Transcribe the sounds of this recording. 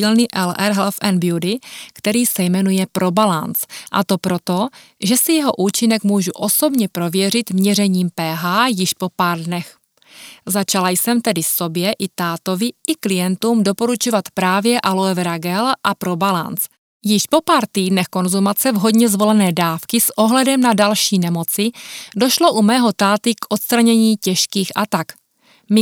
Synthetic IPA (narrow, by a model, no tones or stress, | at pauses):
ilniʔɛlʔɛɾɦlfʔɛnbjudɪkt̪ɛɾiːsɛjmɛnujɛpɾʔo̞balant͡sʔa̰t̪o̞pɾo̞t̪o̞ | ʒɛsɪjɛɦo̞ʔuːt͡ʃɪnɛkmuːʒuʔo̞so̞bɲɛpɾo̞vjɛr̝ɪt̪mɲɛrɛɲiːmpɛːɦaːjɪʃpo̞paːɾdnɛx | zat͡ʃalajsɛmt̪ɛdɪso̞bjɛʔɪt̪aːt̪o̞vɪʔɪklɪjɛnt̪uːmdo̞po̞ɾut͡ʃovat̪pɾaːvjɛʔaloɛvɾaɡɛlʔapɾo̞bala̰nt͡s | jɪʃpo̞paːɾt̪iːdnɛxko̞nzumat͡sɛvɦo̞dɲɛzvo̞lɛnɛːdaːfkɪsʔo̞ɦlɛdɛmnadalʃiːnɛmo̞t͡sɪdo̞ʃlo̞ʔumɛːɦo̞t̪aːt̪ɪkʔo̞t̪st̪ɾaɲɛɲiːcɛʃkiːxʔat̪ak | mɪ